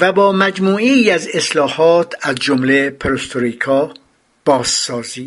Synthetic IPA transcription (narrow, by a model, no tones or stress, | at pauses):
væbɒːmæd͡ʒmuːeæze̞slɒːhɒːt̪ʰæzd͡ʒomlepʰeɾost̪ʰoɾikʰɒː | b̥ɒːsːɒːziː